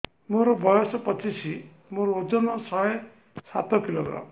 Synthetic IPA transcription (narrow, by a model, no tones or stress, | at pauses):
moɾɔbɔjɔsɔpɔt͡ʃisʰi | moɾɔod͡ʒɔnɔsɔe | sa̰t̪ɔkiloɡɾa̰m